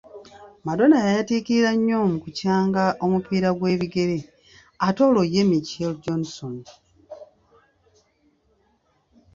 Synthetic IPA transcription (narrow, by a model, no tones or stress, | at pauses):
mado̞najajatiːkiiɾaɲːoːmukucaːŋɡaʔomupiːɾaɡwe̞ːβiɡe̞ɾe̞ | ato̞ːloje̞miceld͡ʒonson